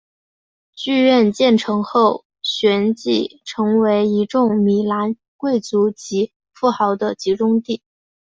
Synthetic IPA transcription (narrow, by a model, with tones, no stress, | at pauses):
t͡ɕy˥˧ɥɛ˥˧nt͡ɕjɛ˥˩nʈ͡ʂʰɤ˧˥ŋxo˥˩ʊ | ɕɥɛ˧˥nt͡ɕi˥˩ʈ͡ʂʰɤ˧˥ŋwe˧˥ɪi˧˥ʈ͡ʂʊ˥˩ŋmi˨˩la˧˥n | kwe˥˩ɪt͡su˧˥t͡ɕi˧˥ | fu˥˩xɑ˧˥ʊd̪ə˧t͡ɕi˧˥ʈ͡ʂʊ˥ŋt̪i˥˩